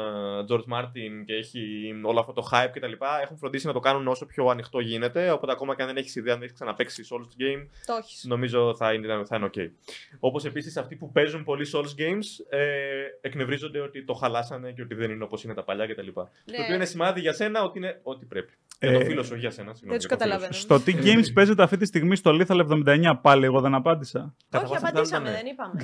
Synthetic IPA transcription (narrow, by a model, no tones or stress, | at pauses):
d͡zo̞ɾd͡zmɐɾt̪ince̞eçio̞loɐft̪ot̪o̞xɐjp̚ce̞t̪ɐlipɐe̞xuɱfɾond̪isinɐt̪o̞kɐnuno̞so̞pço̞ɐnixt̪o̞ʝine̞t̪e̞opo̞t̪eɐko̞mɐceɐnðeneçi̥siðeɐneç̥ksɐnɐpeksiso̞lsɟejmoçi̥no̞mizo̞θɐinθɐineo̞ce̞̰io̞po̞se̞pisisɐft̪ipupe̞zunpo̞liso̞lsɡe̞jmseekne̞vɾizo̞nd̪eo̞t̪it̪o̞xɐlɐsɐne̞ceot̪iðe̞nineo̞po̞sine̞t̪ɐpɐʎɐce̞t̪ɐlipɐ | t̪oːpio̞inesimɐðiʝɐse̞nɐo̞t̪iine̞o̞t̪i̥pɾe̞pi̥ɐofilosoçiʝɐsenɐsiɣnot̪kɐt̪ɐlɐvst̪ot̪iʝejmsspe̞ze̞t̪eɐft̪it̪ist̪iɣmist̪oliθɐlɐevðo̞mind̪ɐeɲɐpɐlie̞ɣo̞ðe̞nɐpɐnd̪isɐ | kɐt̪ɐosɐneðnipɐm